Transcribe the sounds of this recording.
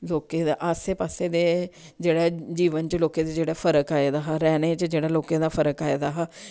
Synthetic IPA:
loːkẽːd̪aːʔaseːpaːseːd̪eː | d͡ʒeːɽɛːd͡ʒiːʋənt͡ʃloːkẽːd̪ed͡ʒeːɽɛːpʰəɾəkaːed̪aːɦaːɾɛːneːt͡ʃd͡ʒeːɽaːloːkẽːd̪aːpʰəɾəkaːed̪aːɦaː

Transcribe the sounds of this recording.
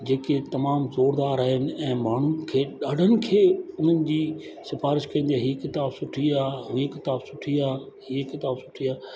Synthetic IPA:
d͡ʑeːket̪ɐmaːmzoːɾd̪aːɾaːɦɪnɪ̆ɛ̃ːmaːɳ̤ukʰeːɗaːɖʱənɪ̆kʰeːʊn̤ənɪ̆d͡ʑiː | sɪfaːɾɪʃkɐ̃ĩn̆d̪iaːɦiekɪt̪aːbsʊʈʰiaːkɪt̪aːbsʊʈʰiaː | hiekɪt̪aːbsʊʈʰiaː

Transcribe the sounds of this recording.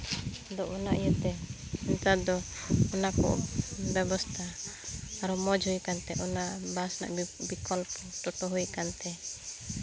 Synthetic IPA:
d̪ɔʔɔnaʔjut̪ɛɛnt̪ad̪ɔɔnakɔ̰ʔbɛbɔst̪ʰaː | ɾɔmɔd͡ʒhujkant̪ɛʔɔnaʔbasna̰ʔbikɔlpɔʈɔʈɔɦujkant̪ɛ

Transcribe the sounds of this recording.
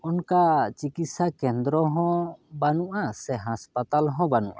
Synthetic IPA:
ɔnkat͡ʃikit̪sakɛnd̪ɾɔɦɔ̃banuʔasɛɦaspat̪alɦɔ̃banuʔa

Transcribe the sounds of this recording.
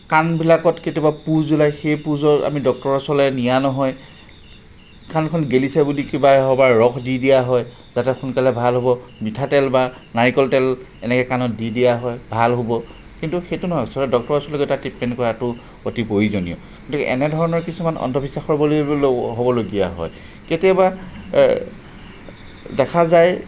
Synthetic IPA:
kanbilakɔtketiɔbapuzulajxejpuzɔta̰midɔk̚tɔɹɔsɔlɛnijanɔɦɔj | kankʰɔnɡelisɛbulikibaɦɔbaɹɹɔkʰdidijaɦɔj | zatɛxunkalɛbʱalɦobɔmitʰatɛlba | naɹikɔltɛl | ɛnɛkɛkanɔt̚didijaɦɔjbʱalɦobɔ | kintuxejtunɔɦɔjsɔɾɔdɔk̚tɔɹasɔlɔkɔtatipmɛnkɔɹatʊ | otipoizonijɔ | kɔtikɛ̰ʔɛ̰nɛdʱɔɹɔnɔɹkisumanɔ̰ndʱɔbʱisaxɔɹbololɦobɔloɡijaɦɔ̰j | ketaba | dɛkʰazaj

